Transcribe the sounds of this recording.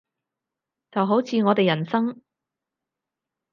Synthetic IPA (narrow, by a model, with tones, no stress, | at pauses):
t͡sɐ˨wɦo˨˥wt͡sʰiː˨˧ŋɔː˨˧t̪e˨jɐ˨˩nsɐ˥ŋ